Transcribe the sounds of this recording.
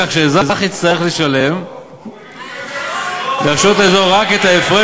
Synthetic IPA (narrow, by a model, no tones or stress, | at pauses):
aχʃezazaχit͡st̪aʁeχleʃale̞m | daʃot̪ezoʁaket̪aefʁe